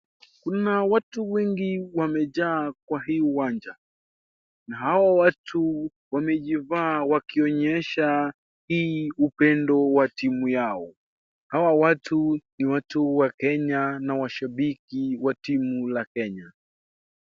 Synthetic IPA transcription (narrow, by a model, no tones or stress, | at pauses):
kunawatuwɛŋɡiwamɛʄaːk̚waɦiːuwaɲd͡ʒa | naɦawawatu | wamɛʄivaːwakiɔɲɛʃa | hiːupɛndɔwatimujaɔ | hawawatuniwatuwakɛɲanawaʃaɓikiwatimulakɛɲa